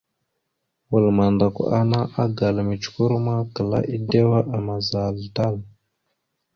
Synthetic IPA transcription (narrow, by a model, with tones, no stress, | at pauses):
wə˨lma˨nda˨kʷa˨na˦ʔa˦ɡa˨lmi˨t͡ʃku˦ɾu˦ma˦kə˨la̰˦ʔi˦de˦wa˦ʔa˨ma˨za˨lta˦˨l